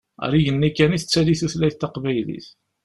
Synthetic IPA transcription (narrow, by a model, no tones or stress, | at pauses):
ɾiʝənːikːæniθt͡sːæliθuθlæjθt̪ːɑqvæjlḭθ